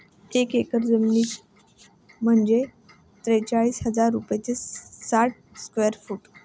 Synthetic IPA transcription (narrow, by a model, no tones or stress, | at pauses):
ekekəɾd͡zəmniːt̪ | m̤əɳd͡ze | t̪ɾet͡saɭiːsɦəd͡zaɾːupjt͡sesaʈ̚ | skʋeəɾfuːʈ